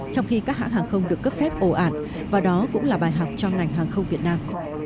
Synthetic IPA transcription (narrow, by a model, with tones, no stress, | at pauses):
t͡ɕɔ˧wŋ͡mxi˧kaː˦˥k̚ha̰ː˧˥k̚haː˨˩ŋxə˧wŋ͡mɗɨ˨˩əkːə˦˥p̚fɛ˦˥p̚ʔo˧˩ʔaː˧˩˨n | vaː˨˩ɗɔ˨˦kʊ̰˧˥ŋ͡mlaː˨˩ɓaː˨˩jɦa˨˩wk͡p̚t͡ɕɔ˧ŋa˨˩jŋɦaː˨˩ŋxə˧wŋ͡mvi˨˩ət̚naː˧m